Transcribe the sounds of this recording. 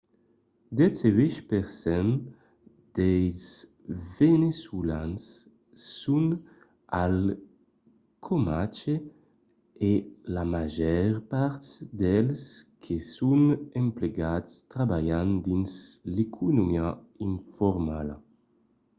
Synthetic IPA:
d̪ɛseviʃpeɾsɛn | d̪̥ejz | venesulansː | un | al | kʰomat͡ʃe | elamaʒɛɾpaɾt̪d̪ɛlskʰesunempleɡat̪st̪ɾabajand̪inslekʰunomia | iɱfoɾmala

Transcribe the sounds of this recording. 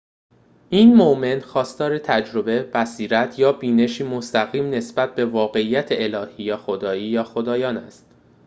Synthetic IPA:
ʔiːnmoʔme̞nxɒːst̪ɒːɾe̞t̪ʰæd͡ʒɾo̞be̞b̥æsiːɾæt̪ʰjɒːbiːne̞ʃiːmost̪æɣiːmne̞sb̥æt̪̚be̞vɒːɣe̞ijːæt̪ʰeelɒːhiːjɒːxo̞d̪ɒːiːjɒːxo̞d̪ɒːjɒːnæ̰st̪

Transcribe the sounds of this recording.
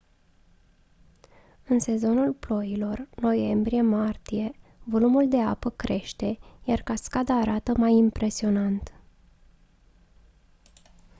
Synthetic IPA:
ɨnse̞zo̞nulplo̞jilo̞rno̞je̞mbɾije̞mart̪ije̞vo̞lumuld̪e̞apəkɾe̞ʃt̪e̞jarkaskad̪aːɾat̪əmajimpɾʔe̞sio̞nant̪

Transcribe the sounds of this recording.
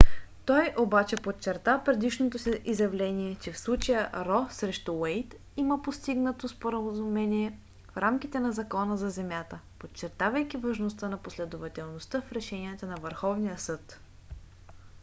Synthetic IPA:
t̪ɔjʔobat͡ʃɛpott͡ʃːɛɾt̪apɾɛd̪iʃnot̪osiʔizjɐvlɛniɛt͡ʃɛfslˠut͡ʃəjəɾɔsɾɛʃt̪uwɛjt̪ | iməpost̪iɡnət̪ospoɾəzumɛniɛ | fɾamk̟it̪ɛnɐzɐkɔnəzɐzɛmʲjat̪əpot͡ʃːɛɾt̪avəjkʲivɐʒnost̪ənɐposlɛd̪ovɐt̪ɛlˠnost̪ɤfɾɛʃɛnijət̪ənɐvəɾxɔvnijəsɤt̪

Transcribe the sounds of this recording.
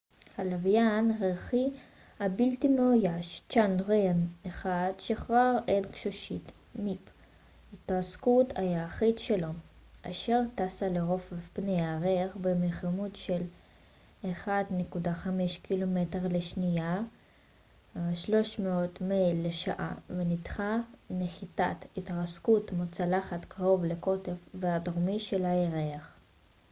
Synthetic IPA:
halavjanʁeχi | habiltimeojaʃt͡ʃanʁeaneχadʃeχʁaʁedkʃoʃit | mip | itaskutajaːχidʃelo | ʔaʃeʁtasaleʁo̞fpnejaʁeχbemeχamutʃel | eχadnekudaχameʃkilo̞mete̞ʁleʃnija | ʃlo̞ʃmeo̞tmejlːeʃa̰ʔa̰venitχaneχitatitʁaskutmot͡salaχatkaʁo̞vleko̞tefveadoʁmiʃe̞laeʁeaχ

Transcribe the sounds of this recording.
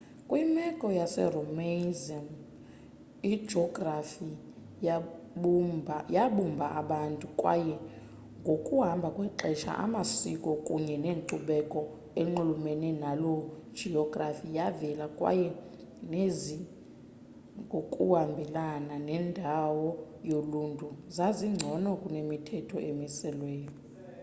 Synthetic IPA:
kʼwimɛkʼɔjasɛ̰rɔmenziam | i̥d͡ʒʱɔɡrafi | jaɓumbʱaʔaɓantʼukʼwa̰jɛ | ŋɡʱokʼuɦambʱakʼwɛǁɛʃa̰ʔa̰masikʼɔkʼuɲɛneːǃuɓɛkʼɔ | eŋ͡ǃulumeninalod̥d͡ʒ̥ʱiɔɡrafijavɛlakʼwa̰jɛ | nezi | ŋɡʱokʼuhambʱɛlananɛndʱawɔ | joluntʼuzaziŋ͡ǀʱɔnɔkʼunemitʰɛtʰɔemisɛlwɛːjɔ

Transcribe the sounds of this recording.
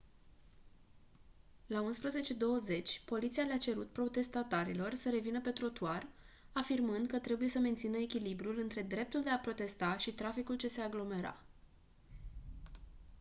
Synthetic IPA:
launspɾəze̞t͡ʃe̞d̪o̞wəze̞t͡ʃʲpo̞lit̪sialeat͡ʃe̞ɾut̪pɾo̞t̪e̞st̪at̪aɾilo̞rsəɾe̞vinəpe̞t̪ɾo̞t̪uar | afirmɨnd̪kət̪ɾe̞buje̞səme̞nt̪sinəekʲilibɾulɨnt̪ɾe̞d̪ɾe̞p̚t̪uld̪e̞apɾo̞t̪e̞st̪aʃit̪ɾafikult͡ʃe̞se̞aɡlo̞me̞ɾa̰

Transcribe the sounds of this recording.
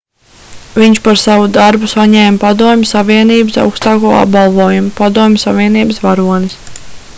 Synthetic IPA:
viɲt͡ʃpaɾsavud̪aɾbusaɲɛːmpad̪uɔmʲsaviɛniːbɨsa̰wkst̪ɑːkuɔa̰b̚ɡalˠvuɔjumpad̪uɔmʲsavʲiɛniːbəsvaɾuɔnis

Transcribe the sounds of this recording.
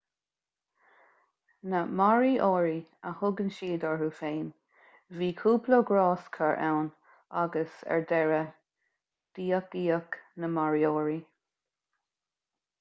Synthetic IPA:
nəmaɹiʔɔːɹiəhʊɡənʃiːd̪ɔɹɹuːfeːn | viːkʰuːploɡɹɑːskʰəɹʔɛwn | aɡəsɛ̰ɹdɛɹə | d̪̥iːək̚d̥iːəknəmaɹiɔːɹi

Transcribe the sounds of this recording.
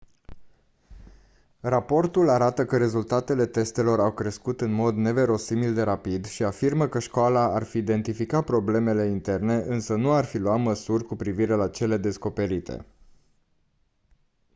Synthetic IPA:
rapo̞rt̪ulaɾat̪əkəɾe̞zult̪at̪e̞le̞t̪e̞st̪e̞lo̞ɾawkɾe̞skut̪ɨnmo̞d̪ne̞ve̞ɾo̞simild̪e̞ɾapid̪ʃiafirməkəʃkoalaarfiːd̪e̞nt̪ifikat̪̚pɾo̞ble̞me̞le̞int̪e̞rne̞ʔɨnsənuarfiluat̪məsurʲkupɾiviɾe̞lat͡ʃe̞le̞d̪e̞sko̞pe̞ɾit̪e̞̰

